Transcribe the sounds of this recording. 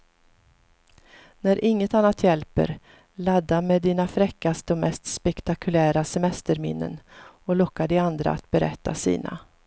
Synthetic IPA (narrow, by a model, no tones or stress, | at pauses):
næɾʔɪŋːət̪anːat̪jɛlpə̰ɾ | lad̪ːameːd̪iːnafɾɛkːast̪əɔmɛst̪spɛkt̪akʰɵlæːɾasɛmɛst̪əɾmɪ̰nːə̰nɔlɔkːad̪ɪand̪ɾa̰a̰t̪̚bɛɾɛ̰t̪ːasḭːna̰